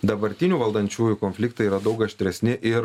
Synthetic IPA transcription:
d̪ɐbɐɾʲt̪ʲɪnʲuːʋɐlˠd̪ɐnʲt͡ʃʲuːjuːkonʲfʲlʲɪkt̪ɐiːɾɐd̪ɐʊkɐʃʲt̪ʲɾʲɛsʲnʲɪʔɪɾ

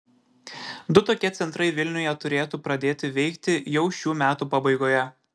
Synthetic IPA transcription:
d̪ʊt̪oːkʲɛt̪sʲɛnt̪ɾɐɪʋʲɪlʲnʲʊjɛt̪ʊɾʲeːt̪uːpɾɐd̪ʲeːt̪ʲɪʋʲɛɪkt̪ʲɪjɛʊʃʲuːmʲæːt̪uːpɐbɐɪɡoːjɛ

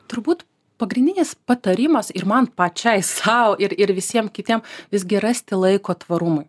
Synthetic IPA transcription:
t̪ʊɾbuːt̪ | pɐɡɾʲɪnʲd̪ʲɪnʲɪspɐt̪ɐɾʲɪmɐsɪɾmɐnpɑt͡ʃʲɛɪsɐoʔɪɾɪɾʋʲɪsʲiɛmkʲɪt̪ʲiɛmʋʲɪzɡʲɪɾɐsʲt̪ʲɪlˠɐɪkoːt̪ʋɐɾʊmɐɪ

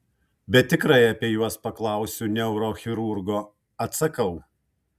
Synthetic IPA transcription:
bʲɛt̪̚ʲːɪkɾɐɪɐpʲiɛjuɔspɐklˠɑˑʊsʲʊnʲɛʊɾoːxʲɪɾʊɾɡoː | ɐt̪sɐkɐʊ

